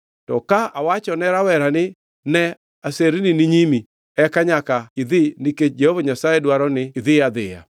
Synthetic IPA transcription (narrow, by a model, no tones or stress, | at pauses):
tɔkaawat͡ʃɔnɛɾawɛɾanɪ | nɛ | aseɾininɪɲimi | ɛkaɲakaiðɪniked͡ʒɛhɔvaɲasaɛdwaɾɔnɪɪðɪaðɪja̰